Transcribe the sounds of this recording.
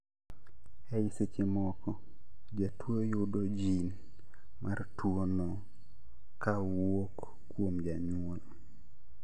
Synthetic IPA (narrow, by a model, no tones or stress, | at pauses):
ɛɪset͡ʃemɔkɔ | d͡ʒatwojʊdod͡ʒin | mʔartwonɔ | ka | wokː | womd͡ʒaɲ | ol